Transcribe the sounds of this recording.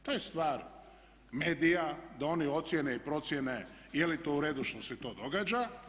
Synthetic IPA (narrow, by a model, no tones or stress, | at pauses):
t̪ojest̪ʋaːɾ | me̞ːd̪ijad̪ao̞nio̞t̪sjeneipɾo̞t̪sjenejelit̪oːuɾe̞ːd̪uʃt̪o̞set̪o̞ːd̪o̞ɡaːd͡ʒa